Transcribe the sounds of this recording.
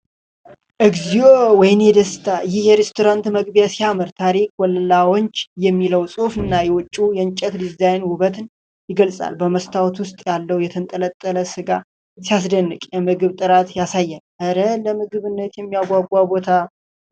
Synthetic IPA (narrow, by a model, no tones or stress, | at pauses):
ʔɨɡzijowɔjɪnjɛd̪əst̪ʰaɨjɪhjɛɾest̪ʰoɾant̪məɡbjasijamɨɾt̪ʰaɾik̚ʰʼwɔllawoɲt͡ʃːjɛmːiləwsʼofɨnːajɛwɔt͡ʃʼːujɛnt͡ʃʼːɛt̪d̪ɨzajnwʊβət̪ɨn | jɪɡəlsʼa̰lbəməst̪ʰawt̪wʊst̪ʼjalːəwjɛt̪ʰənt̪ʼələt̪ʼːələsɨɡa | sijas̬d̪ənːɨkʼjɛmɨɡɨβt̪ʼɨɾat̪jasajːalʔəɾələmɨɡɨβɨnːət̪jɛmːijaɡʷaɡʷabo̞t̪ʰa